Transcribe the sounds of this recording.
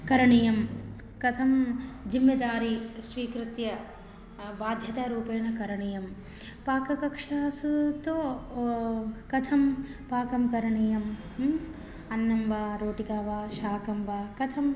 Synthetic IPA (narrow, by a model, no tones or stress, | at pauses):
kɐɾɐɳijɐm | kɐt̪ʰɐmd͡ʒimːɐd̪aːɾisʋiːkɾɪt̪jɐ | ʋaːd̪ʱjɐt̪aːɾuːpeːɳɐkɐɾɐɳijɐm | paːkɐkɐkʂaːsut̪oː | kɐt̪ʰɐmpaːkɐmkɐɾɐɳijɐm | ɐnːɐmʋaːɾoːʈikaːʋaːʃaːkɐmʋaːkɐt̪ʰɐm